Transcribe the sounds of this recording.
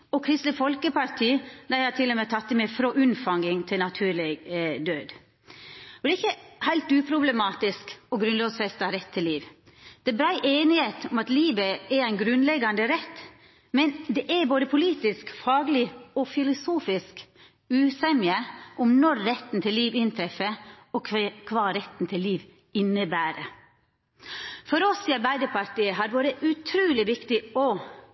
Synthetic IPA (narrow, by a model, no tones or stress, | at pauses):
ɔkʰɾɪst̪əfɔlkəpɑɾt̪ʰiːd̪æɪhɑt̪ʰɪlːʊmet̪ʰɑt̪ːəmɛfɾoːʔʉnfɑŋɪŋt̪ʰɪlnɑt̪ʰʉːlɛɡd̪øːd̪ | ɔd̪ɛɪçːəhæɪlt̪ʉːpʰɾʊbləmɑːt̪ɪskɔɡɾʉnloːɡsfɛst̪ɑɾɛt̪ʰːɪlːiːʋ | d̪̥ɛbɾæɪʔeːnɪheːt̪ɔmɑt̪liːbəɛɾæɪnɡɾʉnlɛɡːɑnd̪əɾɛt̪ː | mɛnd̪ɛʔæboːd̪əpʰʊliːt̪ɪskfɑːɡlɪɔfɪlʊsuːfɪsk | ʉːsɛmɪəʔʊmnɔɾːɛt̪ːn̩t̪ʰɪlːiːʋɪnt̪ʰɾɛfə | ɔkkʰʋɑːɾɛt̪n̩t̪ʰɪlːiːʋ | ɪnːəbæːɾə | fɔɾɔsiːɑɾbæɪd̪əɾpɑɾʈ̪iːəɦɑɾʋoːɾəʔʉt̪ʰɾʉːlɪʋɪkt̪ɪɔ